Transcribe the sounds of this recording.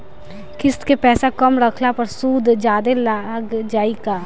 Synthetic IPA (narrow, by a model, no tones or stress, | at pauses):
kɪst̪kepɛːsakɐmɾɐkʰlapɐɾsuːd̪ʱd͡ʒaːd̪elaɡd͡ʒaːikaː